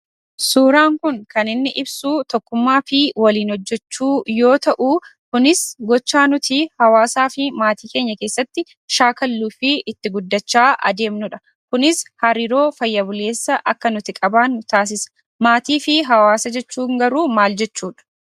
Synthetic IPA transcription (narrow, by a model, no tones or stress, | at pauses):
suːɾaːŋkʊŋkɐnɪnːɪʔɪbsuːt̪ɔkːʊmːaːfɪwɐliːnhɔd͡ʒːɛt͡ʃːuːjo̞ːt̪ɐʔuːkʊnɪsɡɔt͡ʃːaːnʊt̪ɪhɐwaːsaːfɪmaːt̪iːke̞ːɲːɐke̞ːsːɐt̪ːɪ | ʃaːkɐlːuːfɪɪt̪ːɪɡʊd̪ːɐt͡ʃːaːʔɐ̰d̪e̞ːmnʊᶑɐ | kʊnɪshɐɾiːɾo̞ːfɐjːɐbʊle̞ːsːɐʔɐkːɐnʊt̪ɪkʼɐbaːnʊt̪aːs̬ɪsɐ̥ | maːt̪iːfɪɦɐwaːsɐd͡ʒɛt͡ʃːuːŋɡɐɾuːmaːld͡ʒɛt͡ʃːuːᶑɐ̥